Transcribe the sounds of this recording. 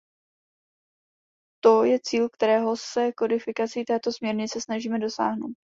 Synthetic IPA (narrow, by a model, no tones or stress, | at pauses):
t̪o̞jɛt͡siːlk̚t̪ɛɾɛːɦo̞sɛko̞dɪfɪkat͡sit̪ɛːt̪o̞smɲɛɾɲɪt͡sɛsnaʒiːmɛdo̞sa̰ːɦno̞wt̪̚